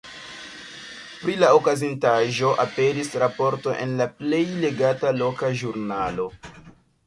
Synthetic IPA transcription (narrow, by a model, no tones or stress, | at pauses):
pɾilaokazintaʒo̞ʔape̞ɾisɾapo̞ɾto̞ʔenlaple̞jle̞ɡatalo̞kaʒuɾnalo̞